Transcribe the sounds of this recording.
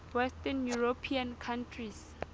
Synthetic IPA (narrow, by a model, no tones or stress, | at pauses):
wɛstɛnjuɹopʰiãnkʰãntʰris